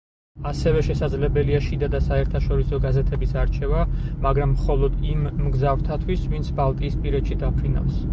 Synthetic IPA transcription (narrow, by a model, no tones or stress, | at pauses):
asɛvɛʃɛsad̪zlɛbɛliaʃid̪ad̪asaɛɾt̪ʰaʃɔɾisɔɡazɛt̪ʰɛbisaɾt͡ʃʰɛvamaɡɾamːχɔlˠɔd̪imːɡzavɾt̪ʰat̪ʰwisvint̪sʰbalˠt̪ʼiːspʼiɾɛt̪ʃid̪apʰɾina̰fs